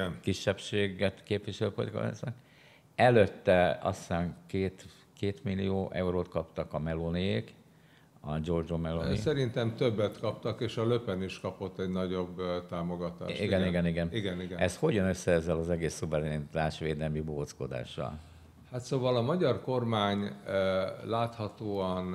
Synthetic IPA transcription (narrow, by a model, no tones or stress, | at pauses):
nkiʃːɛpʃeːɡɛt̪keːpʋiʃɛløːpo̰t̪kɒ̰ɛ̰snɛk | ɛløt̪ːɛɒ̰st̪aːŋkeːt̪ | keːt̪milːijoːʔɛuɾoːt̪kɒpt̪ɒkɒmɛlonieːk | ɒd͡ʒo̞rd͡ʒomɛlonḭsɛɾint̪ɛmt̪øbːɛt̪kɒpt̪ɒkeːʃɒløpɛniʃkɒpo̞t̪ːɛɟnɒɟo̞bt̪aːmoɡɒt̪a̰ːʃiɡɛniɡɛniɡɛniɡɛniɡɛɛsho̞ɟɒnøsːɛɛzːɛlɒzɛɡeːsːuvɛɾɛnit̪aːʃʋeːd̪ɛlmiboːsko̞d̪a̰ːʃːɒ̰l | hat̪soːvɒlɒmɒɟɒrko̞rmaːɲ | laːt̪hɒt̪oːɒn